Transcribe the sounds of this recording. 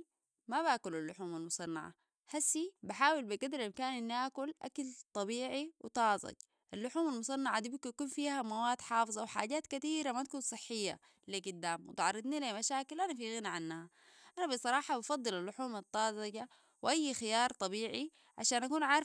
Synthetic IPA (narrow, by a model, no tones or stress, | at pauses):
mabaːkulalːʊħuːmalmʊsˤɑnːɑ̰ʕa̰ | hasːibaħaːwilbiɡad̪ɾamkaːnʔinːiʔaːkulʔa̰kalt̪ˤɑbiːʕiwɪt̪ˤɑːzˤɑ̰ɟ | ʔalːʊħuːmalmʊsˤɑnːɑʕad̪ibijakuːnfiːhamawaːd̪ħɑːfɨzˤɑwħa̰ːɟaːt̪kat̪iːɾamat̪akuːnsˤɨħːɪjːa̰ | leɡud̪ːaːmwɪt̪ʕɑɾˤːɨd̪ˤnilamaʃaːkilʔanafiɣinaʕanːaha | ʔanabisˤɑɾˤɑːħɑbɑfɑd̪ˤːɨlalːʊħuːmɑt̪ˤːɑːzˤɑɟa | wʔajːxɪjɑːɾˤt̪ˤɑbiːʕi | ʕa̰ʃaːnʔakuːnʕaːɾˤ